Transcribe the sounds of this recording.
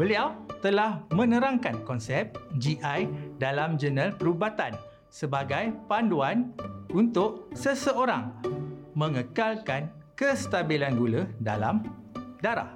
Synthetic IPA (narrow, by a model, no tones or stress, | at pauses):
bəliawt̪əlahmə̃nə̃ɾaŋkankɔnsɛp̚d͡ʒiʔajdalamd͡ʒənəlpəɾubat̪an | səbaɡajpanduanunt̪ʊʔ̚səsəoɾa̰ŋmə̃ŋəkalkan | kəst̪abilanɡuləda̰la̰m | daɾa̰h